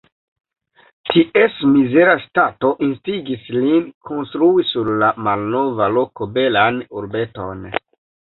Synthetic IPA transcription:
tiʔe̞smize̞ɾastato̞ʔinstiɡislinkʰo̞nstɾuisuɾlamalno̞valo̞kobe̞lanuɾbe̞to̞̰n

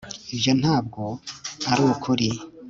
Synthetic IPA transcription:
ibjo̞n̥haːb̚ɡoaɾuːwukʰuɾi

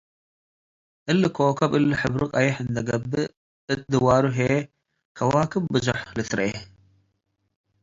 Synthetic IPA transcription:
ʔɨlːɨkʰokʰɐβʔɨlːɨħɨβɾɨkʼajɛħɨnd̪ɐɡɐbːɨ | ʔɨt̪ʼd̪ɨwaɾuɦe | kʰɐwakʰɨmbɨzuħlɨt̪ɾʔe

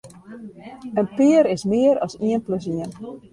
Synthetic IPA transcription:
ənpiəɾɪsmɪəɾɔsiənpløs̬iən

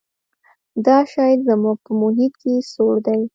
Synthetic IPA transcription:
d̪ɑʃɑjzamuɡ̚pəmʊɦit̪kesoɽd̪aj

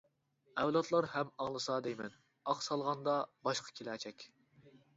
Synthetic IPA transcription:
ɛwlˠɑt̪ʰlˠɑɾhɛmɑŋlˠɨsɑd̪ejmɛn | ɑqsɑlˠʁɑnd̪ɑbɑʃqʰɑ̥kʲʰelæt͡ʃʰɛkʲ

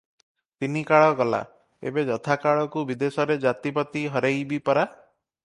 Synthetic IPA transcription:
t̪inikaɭɔɡɔla̰ | ḛbed͡ʒɔt̪ʰakaɭɔkubid̪esɔɾed͡ʒat̪ipɔt̪iɦɔɾejbipɔɾa

